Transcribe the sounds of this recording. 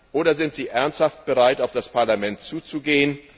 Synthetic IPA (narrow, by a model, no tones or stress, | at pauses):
ʔoːɾɐzɪntz̥iːʔɛɐnsthaft̚b̥əʁaɪtaʊfd̥aspʰaɐlamɛntt͡suːt͡suɡeːən